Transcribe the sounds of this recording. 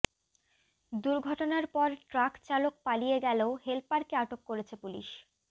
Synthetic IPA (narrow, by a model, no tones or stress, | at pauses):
d̪uɾɡʱɔʈonaɾpɔɾʈɾakt͡ɕalok̚palijeɡɛleoɦelpaɾkeaʈokːoɾet͡ɕʰepulḭʃ